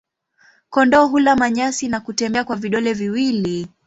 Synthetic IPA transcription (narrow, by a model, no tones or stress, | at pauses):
kɔndɔːɦulamaɲasinakutɛmbɛakwaviɗɔlɛviwili